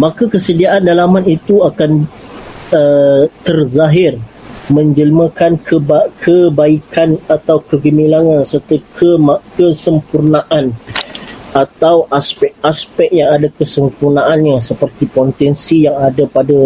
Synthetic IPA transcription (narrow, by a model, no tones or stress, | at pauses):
mãkakəsədiaʔandalamãnit̪uakan | ət̪ərzaɦɪrmə̃ɲd͡ʒəlmə̃kankʰəbakʰəbaikanat̪awkəɡəmilaŋãnsərt̪əkʰəmakəsəmpurnãʔan | at̪awʔaspɛk̚aspɛk̚jaŋadakəsəmpurnãʔanɲasəpərt̪ipɔnt̪ɛnsijaŋadapada